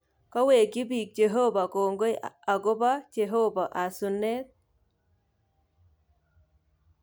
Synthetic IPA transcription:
kɔ˦we˨ki˦bi˨k̚t͡ʃe˨ɦo˦ba˨ko˨ŋɡo˦ja˨ɡo˦ba˦t͡ʃe˨ɦo˦ba˨ʔa˨su˨ne˦t̪̚

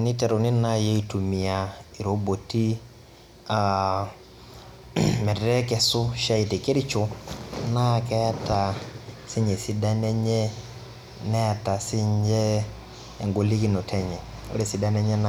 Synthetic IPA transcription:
ni˦tɛ˨ɾo˨ni˦na˦jɛ˦i˨tu˨mi˨a˨i˨ɾo˨bo˨ti˦ | a | mɛ˨ɾɛ˦ɾɛ˦kɛ˨so˦ʃa˦i˨te˨ke˦ɾi˦t͡ʃo˨na˦kɛ˦ta˨si˦ɲɛ˨si˦da˦nɛ˦ɲɛ˦ | nɛ˦˨ta˨si˦ɲd͡ʒɛː˦˨ | ŋɡo˨li˦ki˦no˨tʰɛ˦ɲɛ˨o̰˦ɾe˦˨si˦da˦nɛ˦ɲɛ˦na˨

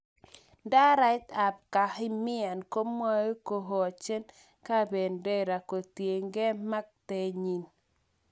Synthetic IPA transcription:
da˦ɾa˦t̪a˨b̚ka˨hɪ˦mɪ˦a˨nko˦mwa˦e˦ko˨ɦo˨a˨t͡ʃe˦n | ka˦be˨nde˦ɾa˨ko˨tje˨ŋɡe˦ma˦k̚te˦ɲi˨n

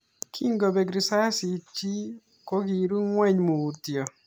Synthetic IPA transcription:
kʰi˦ŋɡɔ˨bɛ˨ɡɾi˨sa˦si˨t͡ʃi˦ | ko˦ɡi˨ɾu˦ŋwɛ˦ɲmo˨u˨t̪jɔ˨

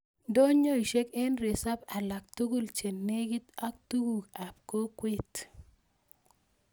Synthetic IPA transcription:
do˦ɲo˦i˨ʃe˦kɛ˦nɾe˨sa˦pa˨la˨k̚t̪u˦ɡu˦lt͡ʃe˨nːe˦ɡi˦t̪a˦k̚t̪u˦ɡu˨ka˨p̚ko˦kwe˦˨t̪

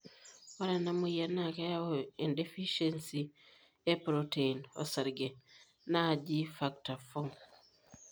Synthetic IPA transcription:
wa˦ɾɛ˨na˦mu˦ja˦na˦˨ka˦ja˦oe˨nde˦fi˦ʃensi | e˦pɾote˨inɔ̰˨sa˨ɾɡe˨ | na˦˨d͡ʒi˦fakta˨fɔŋ

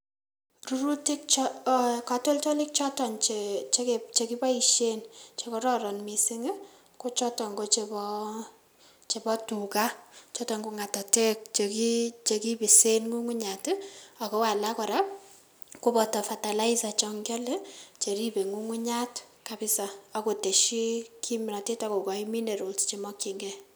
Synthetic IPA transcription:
ru˦ɾu˦ti˦k̚t͡ʃɔka˦to˦lt͡ʃɔ˦lɪ˦k̚t͡ʃɔ˦tɔ˨nt͡ʃet͡ʃe˦ket͡ʃe˨ki˦ba˦i˨ʃe˦nt͡ʃe˨kɔ˦ɾɔ˦ɾɔ˨nmi˨sɪ˦ŋɪ˦ | ko˦t͡ʃɔ˦tɔ˨ŋɡo˦t͡ʃe˨bɔ˦ | t͡ʃe˨bɔ˦tu˨ka˦t͡ʃɔ˦tɔ˨ŋɡu˨ŋa˨tɔ˨tɛ˦k̚t͡ʃeki˦t͡ʃe˧ki˦pi˨se˦nŋu˦ŋu˦ɲa˨ta˨ko˦wa˨la˦kɔ˨ɾa˦p̚ | ko˦pɔ˨tɔ˨fa˨ta˨la˦i˦sa˨t͡ʃɔŋɡa˦le˦t͡ʃe˨ɾi˦be˨ŋu˦ŋu˦ɲa˦tkabɪ˦sa˨a˨ko˨te˨ʃi˦ki˦mna˨te˦ta˦ko˨kɔ˨imi˦ne˨ɾo˨lst͡ʃe˨mɔ˦ki˨ŋɡɛ˦

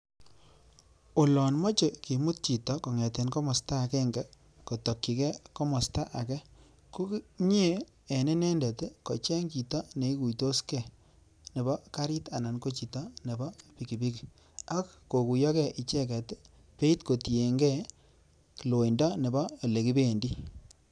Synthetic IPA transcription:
o˨lɔ˨nmɔ˦t͡ʃe˨ki˨mu˦t̚t͡ʃi˨tɔ˨kɔ˨ŋɛ˨te˨nkɔ˦mɔ˨sta˦˨kɛ˦ŋɡɛ˨ | ko˨to˨kːi˨kɛ˦kɔ˦mɔ˨sta˦ʔa˨kɛ˦ | ko˦kɲe˦ | e˨ne˦nɛ˦ndɛ˨tkɔ˨t͡ʃɛ˦ŋki˨tɔ˦ne˨i˦ku˨jto˦skɛ˨ | ne˨bɔ˦ka˦ɾi˦ta˨na˨nko˦t͡ʃi˨tɔ˦ne˨bɔ˦pi˨ki˨bi˦ki˨ | a˦kko˨ku˨jɔ˦kɛ˦ʔi˨t͡ʃɛ˦kɛ˨t | pe˦i˦tko˨ti˨e˨ŋɡɛ˦ | ki˨lo˨i˨ndɔ˦ne˨bɔː˦˨le˨ki˦be˦˨ndi˦

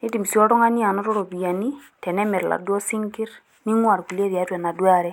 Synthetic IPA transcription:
ni˦ti˨m˨si˦ɔ˦ɾɔ˦ŋa˦ni˦a˨nɔ˦ɾɔ˦ɾɔ˨bi˨ja˨ni˦ | tɛ˨nɛ˦mɛ˨ɾla̰˨du˦ɔ˦si˦ŋkɪ˦ɾ | ni˦ŋwa˨ɾku˨li˦e˦ɾa˨˦twɛ˨na˨dwa˦˨ɾɛ˦

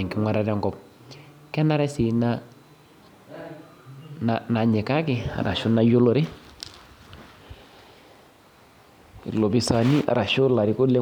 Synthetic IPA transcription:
i˨ŋkɪ˦ŋwa˨ɾa˦ɾɛ˦ŋɡɔ˨p̚ | kɛ˦na˦ɾɛ˦si˨na˦ | na˨na˨ɲi˨ka˦ki˨a̰˨ɾʔa̰˨ʃu˦na˦jo˦lo˦ɾi˦ | ḭ˨lo˨bi˨sa˨ni˦ʔa̰˨ɾa˨ʃo˦la˨ɾi˨˦ko˦le˦

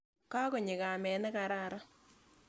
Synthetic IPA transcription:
ka˦ko˨ɲɪ˨ka˨mɛ˨nɛ˦ka˨ɾa˦ɾa˦

